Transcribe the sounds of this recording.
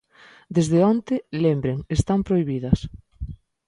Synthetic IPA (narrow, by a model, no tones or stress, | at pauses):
d̪ezðeont̪ɪlembɾeŋest̪ampɾoiβiðɐs